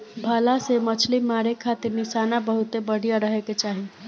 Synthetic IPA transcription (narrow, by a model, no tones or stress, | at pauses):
bʱəlasemət͡ʃʰlimaɾekʰːat̪iɾnisanabəɦut̪ebəɽ̤ʱijaɾəɦɛket͡ʃaɦi